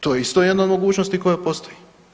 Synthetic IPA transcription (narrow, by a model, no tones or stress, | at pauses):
t̪ojeist̪o̞jed̪naod̪mo̞ɡuːt͡ʃnost̪iko̞jepo̞st̪o̞ji